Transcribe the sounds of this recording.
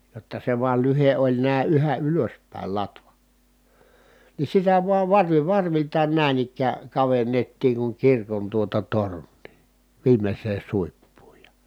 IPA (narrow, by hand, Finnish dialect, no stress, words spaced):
jotːɑ se ʋuɑl lyhe ʔolʲ næˑi̯ yhæ ʔyløspæˑil lɑtʋɑ ni sitæ ʋuɑʋ ʋɑrʋi ʋɑrʋiltɑːn næˑin ikːæː kɑʋenːetːiːŋ kuŋ kirkon tuotɑ tornˑiː ʋiːmesˑeːn̞ suipːuːj jɑ